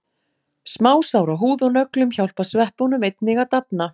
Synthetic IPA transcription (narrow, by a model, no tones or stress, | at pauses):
smaːwsawɾaɦuːðɔnœklʏmçawlpasvɛhpownʏmejt̪̚nɪɣat̪apna